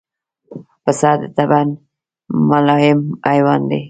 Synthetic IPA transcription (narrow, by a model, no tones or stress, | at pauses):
fasɑd̪t̪aban | malɑjɪmajwɑnd̪e